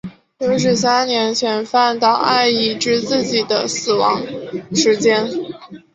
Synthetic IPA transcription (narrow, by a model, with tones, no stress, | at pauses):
o˧˥ʂ̬ɻ̩˥˩s̬a˥nnjɛ˧˥nɕɥɛ˨˩nfa˥˧nt̪ɑ˥˩ʊʔa˥˧ɪi˥˩ʈ͡ʂɻ̩˥˧t͡sɹ̩˥˩t͡ɕi˨˩d̪ə̰˦sɹ̩˨˩wɑ˧˥ŋʂɻ̩˧˥t͡ɕjɛ˥n